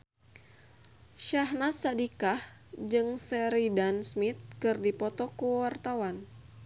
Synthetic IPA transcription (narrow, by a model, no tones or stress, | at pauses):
ʃaɦnat̪sadikahd͡ʒɨŋsɛɾidansmit̪̚kɨrdipɔt̪ɔkuwart̪awan